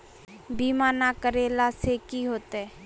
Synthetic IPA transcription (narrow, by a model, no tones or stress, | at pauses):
biːmaːnakəɾeːlasekiɦoːt̪ɛː